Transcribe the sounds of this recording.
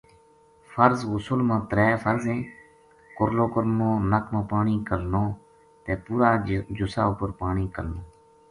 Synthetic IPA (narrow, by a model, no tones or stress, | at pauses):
fʰəɾzɣʊsʊlmãːt̪əɾɛːfʰəɾzẽː | kʊɾloːkəɾnõːnəkʰmãːpaːɳiːkəlnõː | t̪eːpuːɾaːd͡ʒʊsa̰ːʊpəɾpaːɳiːkəlnõː